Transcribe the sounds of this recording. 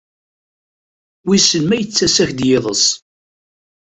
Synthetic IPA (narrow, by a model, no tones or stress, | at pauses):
wisəlmæjət͡sːæsæçd̪jeðˤəsˤ